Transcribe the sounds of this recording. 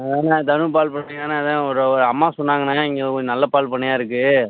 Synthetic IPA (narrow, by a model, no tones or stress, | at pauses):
eːnaːt̪ɐɳɯpaːlpɐɳːɪjaːnaːɐðãːɔɾɔɾɯɐmːaːsɔnːaːŋɡɐnaːɪŋɡeðɯkod͡ʒnɐlːɐpaːlpɐɳːɐjaːɪɾɯkːɯ